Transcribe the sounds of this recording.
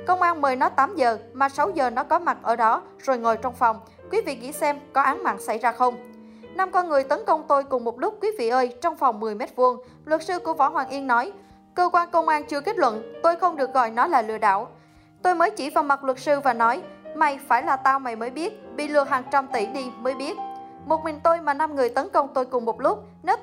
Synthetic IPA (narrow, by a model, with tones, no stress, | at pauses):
kə˧wŋ͡mʔaː˧nmɨ˨˩jnɔ˨˦t̪aː˨˦mzəː˨˩maː˨˩sa˨˦wzəː˨˩nɔ˨˦kɔ˨˦ma˨˩t̚ʔəː˧˩ɗɔ˨˦ | z̥o˨˩jŋo˨˩jt͡ɕɔ˧wŋ͡mfɔ˨˩wŋ͡m | kwi˨˦vḭ˧˨ɣḭ˧˥˨sɛ˧mkɔ˨˦ʔaː˨˦ŋma̰ː˧˨nsa˧˩jzaː˧xə˧wŋ͡m | na˧mkɔ˧nŋɨ˨˩əjt̪ə˨˦nkə˧wŋ͡mt̪o˧jkʊ˨˩ŋ͡mmo˨˩t̚lʊ˦˥k͡p̚kwi˨˦vḭ˧˨ʔəː˧jt͡ɕɔ˧wŋ͡mfɔ˨˩wŋ͡mmɨ˨˩əjme˦˥t̚vu˧əŋ | lwə˨˩t̚sɨ˧ku˧˩əvɔ̰˧˩ɦwaː˨˩ŋʔi˧ənːɔ˨˦j | kəː˧kwaː˧nkə˧wŋ͡mʔaː˧nt͡ɕɨ˧əke˦˥t̚lwə̰˧˨nt̪o˧jxə˧wŋ͡mɗɨ˨˩ək̚ɣɔ˨˩jnɔ˨˦laː˨˩lɨ̰˧˨əɗa̰ː˧˨w | t̪o˧jməː˨˦jt͡ɕi˧˩vaː˨˩wma˨˩t̚lwə˨˩t̚sɨ˧vaː˨˩nɔ˨˦jma˨˩jfaː˧˩jlaː˨˩t̪aː˧wma˨˩jməː˨˦jɓi˦˥ət̚ɓḭ˧˨lɨ˧˩əɦaː˨˩ŋt͡ɕa˧mt̪i˧˩ɗi˧məː˨˦jɓi˦˥ət̚ | mo˨˩t̚mï˨˩ŋt̪o˧jmaː˨˩na˧mŋɨ˨˩əjt̪ə˨˦nkə˧wŋ͡mt̪o˧jkʊ˨˩ŋ͡mmo˨˩t̚lʊ˦˥k͡p̚ | ne˨˦